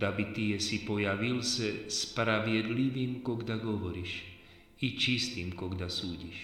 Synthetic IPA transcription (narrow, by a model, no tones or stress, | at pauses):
abit̪ijɛsipɔjaʋilsɛspɾaʋɪɛd̪liʋiːmkɔɡd̪aɡɔʋɔɾiːʃ | it͡ʃist̪iːmkɔɡd̪asuːɟiʃ